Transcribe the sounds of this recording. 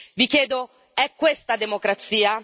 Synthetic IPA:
vikjɛːd̪o | ɛkːwest̪ad̪emokɾat̪siːa

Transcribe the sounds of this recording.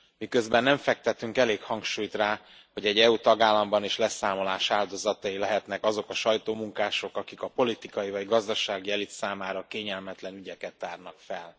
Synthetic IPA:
mikø̞zbɛnːɛɱfɛk̚t̪ɛt̪yŋkɛleːkhɒŋkʃuːjt̪raː | ho̞ɟɛɟːɛut̪ɒɡaːlːɒmbɒniʃlɛsaːmo̞laːʃaːld̪o̞zɒt̪ɒjilɛɦɛt̪nɛkɒzo̞kɒʃɒjt̪oːmuŋkaːʃo̞kɒkikɒpo̞lit̪ikɒjivɒɟɡɒzd̪ɒʃaːɡiɛlit̪saːmaːɾɒkeːɲɛlmɛt̪lɛnyɟɛkɛt̪ːaːrnɒkfɛl

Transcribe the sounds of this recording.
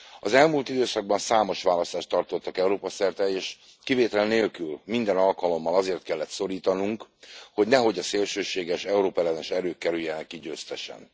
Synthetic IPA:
ɒzɛlmuːlt̪id̪øːsɒɡ̚bɒnsaːmo̞ʃʋaːlɒst̪aːʃt̪ːɒrt̪o̞t̪ːɒkɛuɾoːpɒsɛrt̪ɛeːʃ | kiveːt̪ɛlneːlkylmind̪ɛnɒlkɒlo̞mːɒlɒzeːrt̪kɛlːɛt̪so̞ɾiːt̪ɒnuŋkho̞ɟnɛɦo̞ɟɒseːlʃøːʃeːɡɛʃɛuɾoːpɛlɛd̪ɛʃɛɾøːkːɛɾyjɛnɛkːiɟøːst̪ɛʃɛ̰n

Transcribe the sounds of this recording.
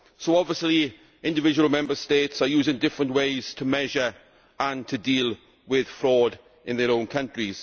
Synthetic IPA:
soʊɒbviəsli | ɪ̃ndɪvɪd͡ʒəwəlˠmɛ̃mbəsteɪtsəjuːzɪ̃ŋdɪfɹə̃nʔweɪz̥tʰəmɛʒəɹ | ə̃ntʰədiːlˠ | wɪð̥fɹɔːd | ɪ̃nðəɹõʊ̃nkʰʌ̃ntɹ̥iz̥

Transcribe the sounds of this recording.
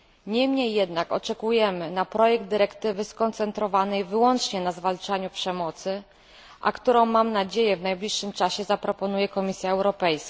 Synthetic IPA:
ɲɛmɲejːɛd̪nakɔ̰t͡ʂɛkujɛmɘnapɾɔjɛɡ̚d̪d̪ɘɾɛkt̪ɘvɘskɔnt̪sɛnt̪ɾɔvanɛjvɘwɔnt͡ʂɲɛnazvalt͡ʂaɲupʂɛmɔt̪sɘ | ʔa̰kt̪uɾɔ̃w̃mːamnad͡ʑejɛvnajblʲiʂːɘmt͡ʂaɕɛzapɾɔpɔnujɛkɔmʲisʲjaɛwɾɔpɛjsk

